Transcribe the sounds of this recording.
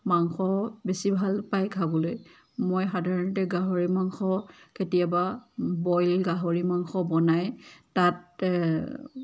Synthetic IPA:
maŋxɔbesibʱalpajkʰabɔloj | mojxadʱaɹɔntɛɡaɦoɹimaŋxɔketijababɔjlɡaɦoɹimaŋxɔbɔnajtat

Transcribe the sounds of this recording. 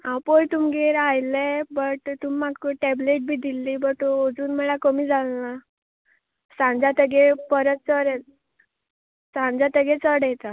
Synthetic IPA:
awpojt̪umɡeɾajlebəʈt̪umːakːoʈɛbleʈ̚bʱiːd̪ilːibəʈood͡zuːnmɛɭakəmiːd͡zʱalna | sãnd͡zat̪əɡepəɾət̪̚t͡səɾɛt̪ | sãnd͡zat̪əɡẽt͡səɽjɛt̪a

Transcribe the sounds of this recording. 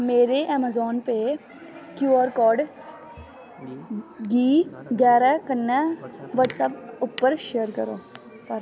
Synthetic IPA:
meːɾeʔɛːmazɔːnpe | kjuːəɾkɔːɖ | ɡiːɡɛːɾakənːəʋəʈsəpʊpːəɾʃeːəɾkəɾoː | pəɾ

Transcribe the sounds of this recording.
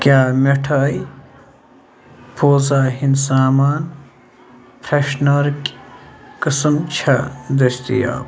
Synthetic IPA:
kʲjaːmeʈʰaːj | pʰoːzaːhinsaːmaːn | pʰɾeʃnɐɾk | kɨsɨmt͡ʃʰɐd̪ɐst̪ḭja̰ː

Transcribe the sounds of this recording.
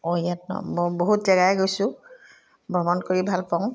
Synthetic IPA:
ojatnɔ̰mɔboɦutzɛɡajɡojsʊ̃ | bʱɔmɔnkoɹibʱalpɔŋ

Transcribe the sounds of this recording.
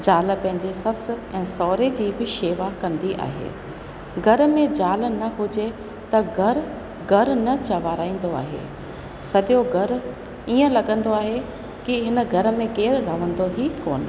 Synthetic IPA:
d͡ʑaːlpɐ̃ɦɪ̃ɲd͡ʑesɐsɛ̃ːsɔːɾed͡ʑiːbɪʃeːʋakɐ̃nd̪iʔa̰ːɦḛː | ɡʱɐɾmẽd͡ʑaːlnɐɦʊd͡ʑe | t̪ɐɡʱɐɾ | ɡʱɐɾnɐt͡ɕɐʋaːɾaːĩːn̆d̪oa̰ːɦḛː | sɐɗjoɡʱɐɾ | iːə̃lɐɠə̃nd̪oaːɦe | kɪɦɪnəɡʱɐɾə̆mẽkeːɾɾɐʋ̤ə̃nd̪oɦiːkoːn

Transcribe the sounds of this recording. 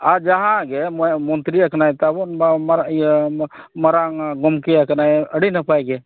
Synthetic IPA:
aɾd͡ʒaɦãɡɛmmɔnt̪ɾiəkʰnajt̪amɾ | məɾaŋɡɔmkeəknajəɽinəpʰajɡe

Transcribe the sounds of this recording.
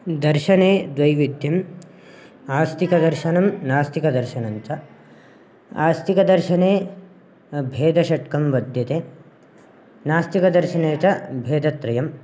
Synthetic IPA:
d̪ɐɾʃɐneːd̪ʋɐjʋid̪ʱjɐm | aːst̪ʰikɐd̪ɐɾʃɐnɐmnaːst̪ʰikɐd̪ɐɾʃɐnɐnt͡ʃɐ | a̰ːst̪ikɐd̪ɐɾʃɐneː | bʱeːd̪ʱɐʃɐʈkɐmʋɐd̪ʱjɐt̪eː | naːst̪ikɐd̪ɐɾʃɐneːt͡ʃɐbʱeːd̪ɐt̪ɾɐjɐm

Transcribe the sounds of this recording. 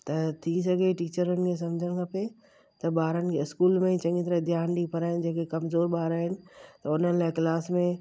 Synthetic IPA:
t̪ɐt̪ʰis̬ɐɡʱeʈiːt͡ɕəɾənɪ̆kʰes̬ɐ̃md͡ʑʱəɽ̃ɪ̆kʰɐpe | t̪ɐɓaːɾənɪ̆kʰeɪskuːlmẽt͡ɕɐ̃ŋɡit̪ɐɾəɦd̪ʱjaːnɗipɐɾaːɦɪnɪd͡ʑẽːkekɐmzoːɾɓaːɾaːɦɪnɪ̆t̪ɐʊn̤ənɪ̆laːɪklaːsmẽ

